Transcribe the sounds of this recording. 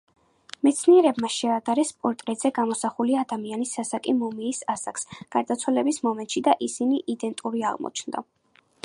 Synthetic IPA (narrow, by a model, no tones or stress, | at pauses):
mɛt̪sʰniɛɾɛbmaʃɛad̪aɾɛspʼɔɾt̪ʼɾɛzɛɡamɔsaχuliad̪amianisasakʼimɔmiːsasaksɡ̥aɾd̪at̪sʰwalɛbismɔmɛnt̪ʼʃid̪aʔisiniʔid̪ɛnt̪ʼuɾia̰ʁmɔ̰t͡ʃʰnd̪a̰